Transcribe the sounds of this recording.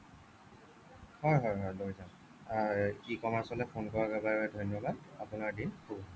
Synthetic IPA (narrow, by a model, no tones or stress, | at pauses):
hɔjɦɔjɦɔjlojzaʊ | aikɔmaɹsɔlɛpʰonkɔɹaɡabaɹɛdʱɔjnjɔbadapʊnaɹdinxʰu